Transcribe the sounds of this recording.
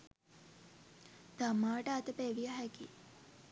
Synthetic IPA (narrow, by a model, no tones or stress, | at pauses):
t̪amaːʈəat̪əpeʋijaɦæki